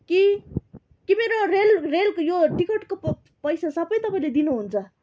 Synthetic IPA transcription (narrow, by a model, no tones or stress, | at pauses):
ki | kimeɾorelreljoʈikʌʈko | pʌjsasʌbʌjt̪ʌpaĩled̪inuɦunt͡sʰʌ